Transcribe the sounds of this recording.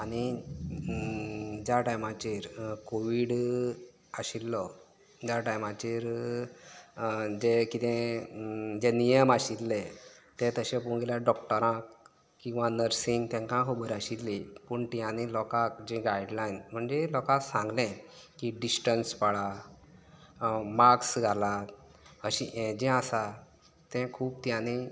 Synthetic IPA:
aɽ̃i | d͡ʑjaʈajmat͡ɕiɾkoʋiɽ | əɕilːɔ | d͡ʑjaʈajmãt͡ɕiɾ | d͡ʑekit̪ɛ̃ | d͡ʑenijəmaɕit̪le | t̪ẽt̪əɕɛ̃puɳɡelaɖɔkʈəɾãk | kːĩw̃ʋãnəɾsĩŋɡt̪ɛ̃ŋkãɦobəɾaɕit̪lipuɳʈ̪jãnilɔkak̚d͡ʑĩɡajɖlajnm̤əɳd͡ʑelɔkaksãŋɡlɛ̃kiɖisʈənspəɭa | maksɡʱala | əɕĩd͡ʑɛ̃asa | t̪ɛ̃kʰuːb̚t̪jãni

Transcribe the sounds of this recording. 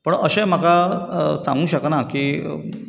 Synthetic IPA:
pəɳə̰ɕem̤akasã̰ŋɡũːɕəknakiː

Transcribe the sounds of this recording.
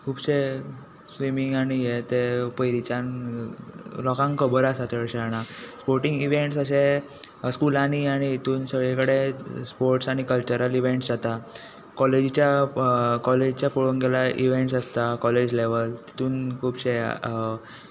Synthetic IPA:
kʰuːbɕe | sʋimiŋɡaɽ̃ijet̪epəjɾit͡ɕãn | lɔkãŋkəbəɾasat̪əɽɕaɽ̃aspoɾʈĩŋɡiʋeɳʈsəɕe | skulañiaɽ̃it̪uːnsəɡɭekəɽespoɾʈsaɽ̃ikəlt͡ɕəɾəliʋeɳʈsd͡zat̪a | kɔled͡ʑit͡ɕja | kɔled͡ʑt͡ɕjapuɭoŋɡelaʔiʋeɳʈsəst̪akɔled͡ʑleʋəlt̪i̥t̪uːnkʰuːbɕe

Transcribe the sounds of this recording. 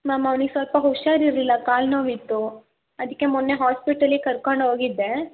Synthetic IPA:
maːmɐʋniɡsʋɐlpɐɦuʃaːɾiɾlilːɐkaːlnoːʋit̪ːu | ɐd̪ikːe̞munːeɦaːspiʈɐlikɐɾkoɳɖoːɡid̪ːe̞

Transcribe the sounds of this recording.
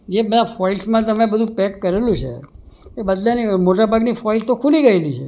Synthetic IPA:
d͡ʒebənafɔilsmãt̪əmẽbəd̪ʱũpɛkːəɾelũt͡ʃʰḛ | ebəd̪lʱanimoʈabʱaɡnifɔilt̪okʰuliɡəelit͡ʃʰe

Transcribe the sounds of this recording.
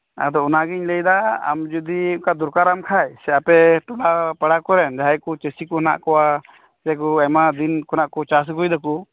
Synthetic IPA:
a̰d̪ɔunaɡiɲləjd̪aa̰md͡ʒud̪ikad̪uɾkaɾamkʰajsɛapɛʈɔɽapaɽakɔɾɛnd͡ʒaɦajkɔt͡ʃəsikɔna̰ʔkɔwa | sɛkɔɛmad̪inkɔnaʔkɔt͡ʃas̬ɡujd̪aku

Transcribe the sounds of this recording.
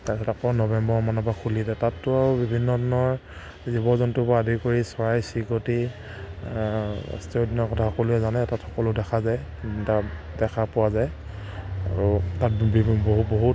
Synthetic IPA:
taɛtakɔnɔbɛmbɔmanabakʰulidɛtatːʊaubibʱinːɔdinɔɹ | zibɔzɔntʊbadʱikoɹisɔɹajsikoti | a̰stiodinɔkɔtʰahɔkɔlʊjɛzanɛtatxɔ̥kɔlʊdɛkʰazajta | dɛkʰapʊwazaj | aɹutatbboɦut̚boɦut

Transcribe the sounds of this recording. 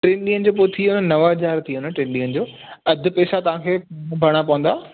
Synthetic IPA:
ʈɾẽːnɗiːənɪ̆d͡ʑoːpoːɪt̪ʰiʊnənɐʋaɦɐzaːɾt̪ʰiːɦʊnəʈẽːnɗiːənɪd͡ʑoː | ɐd̪ʱʊpɛːsat̪ɐʋ̤ãːkʰeːbʱɐɽ̃apɐʋə̃nd̪aː

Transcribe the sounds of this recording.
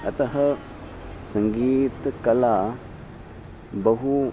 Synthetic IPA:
a̰taɦə | səŋɡitəkala | baɦu

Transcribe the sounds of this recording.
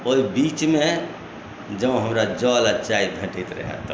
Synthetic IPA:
oibit͡ʃme | d͡ʒə̃ɦəmɾad͡ʒɔlat͡ʃaibʱeʈit̪ɾə̰ɦɛ̰t̪ː

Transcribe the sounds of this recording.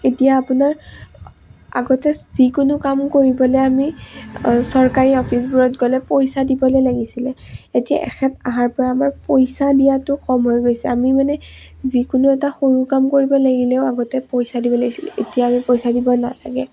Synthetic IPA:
etijaːpʊnaɹ | a̰ɡɔtɛz̥ikʊnʊkamkoɹibɔlɛami | sɔɹkaɹiɔpʰisbuɹɔtɡɔlɛpojsadibɔlejlaɡisilɛetija̰ʔɛ̰xɛtaɦaɹpɔɹaːmaɹpojsadijatʊxɔmɦɔjɡojsɛamimanɛ | zikʊnʊɛtaxoɹukamkoɹibɔlaɡilɛʊaɡɔtɛpojsadibɔlaɡisil̰ḛtijaːmipojsadibɔna̰la̰ɡɛ

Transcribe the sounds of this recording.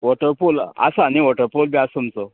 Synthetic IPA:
ʋɔʈəɾpula̰saniʋɔʈəɾpolbiasəmt͡so

